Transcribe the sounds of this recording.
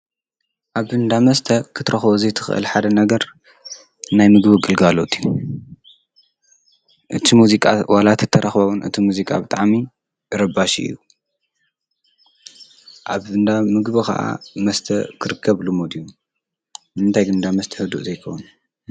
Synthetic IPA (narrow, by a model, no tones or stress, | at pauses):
ʔaβɨnd̪amɐst̪ʰɐkʰɨ̥t̪ʰɾɐxβozɐjt̪ʰɨ̥xʔɨ̰lħad̪ɐnɐɡɐɾ | najmɨɡbɨɡɨlɡalot̪ʰiju | ʔɨt̪ʰimuzikʼawalat̪ʰɨt̪ʰːɐɾɐxβɐβunʔɨ̰t̪ʰimuzikʼabɨt̪ʼaʕmi | ɾɐbaʃḭʔɨ̰ju | ʔaβɨnd̪amɨɡβikɐ̰ʔa̰mɐst̪ʰɐkʰɨɾɨkʰːɐβlumod̪ju | ɨnt̪ʰajɡɨnd̪amɐst̪ʰɐ̥hɨd̪uʔzɐjkʰo̰wnu